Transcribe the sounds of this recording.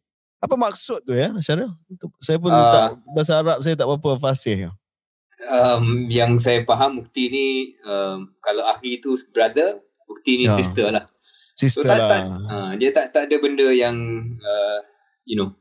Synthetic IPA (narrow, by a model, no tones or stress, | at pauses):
apəmak̚sʊt̪̚ːujaat͡ʃaɾat̪usajap̬ʊnt̪aʔbəsaɾap̚s̬ajat̪aʔbapəfasɪhu | əmjaŋs̬ajapaɦambuk̚t̪iniəmkalawaxit̪ubəɾad̪ə | buk̚t̪inisist̪əlah | sistoəalaaədiat̪aʔt̪adəbəndəjaŋə | juno